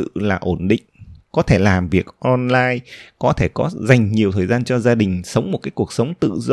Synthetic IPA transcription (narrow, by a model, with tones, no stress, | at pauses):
ɨ̰˧˨laː˨˩ʔo˧˩nɗḭ̈˧˨ŋ̟kɔ˨˦t̪ʰe˧˩laː˨˩mvi˨˩ək̚ʔɔ˧nlaː˧jkɔ˨˦t̪ʰe˧˩kɔ˨˦za˨˩jŋ̟ɲi˨˩əwt̪ʰəː˨˩jzaː˧nt͡ɕɔ˧zaː˧ɗï˨˩ŋ̟sə˨˦wŋ͡mmo˨˩t̚kaː˨˦jku˨˩ək̚sə˨˦wŋ͡mt̪ɨ̰˧˨z